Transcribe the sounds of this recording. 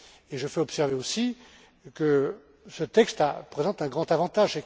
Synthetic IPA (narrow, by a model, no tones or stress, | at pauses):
eʒəfɛɔpsɛʁveosi | kə | sət̪ɛkst̪apχezɑ̃t̪ɛ̃ɡʁɑ̃t̪avɑ̃t̪aʒe